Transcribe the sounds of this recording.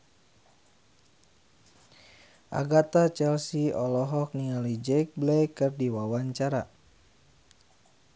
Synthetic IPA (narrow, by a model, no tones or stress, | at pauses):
ʔa̰ɡat̪at͡ʃɛlsiɔlɔɦɔk̚niŋalid͡ʒɛjk̚blɛjkɨrdiwawaɲt͡ʃaɾa